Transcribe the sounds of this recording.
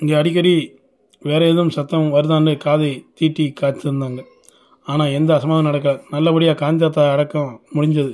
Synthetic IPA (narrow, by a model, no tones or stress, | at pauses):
ɪŋɡeːɐɽɪkːɐɾi | ʋeːɾɐeːðɯmsɐt̪ːɐ̃mʋɐɾɯðaːnɖɯkaːðɐɪt̪iːʈːikaːt̪ːɯɾɯnd̪aːŋɡɐ | aːnaːɛnd̪ɐːsɐmaːðɐmnɐɽɐk̬ːɐɭɐnɐlːɐʋɐɽɪjaːkaːɲd͡ʒaːt̪ːaɐɽɐkːɐmʊɽɪɲd͡ʒɐðɯ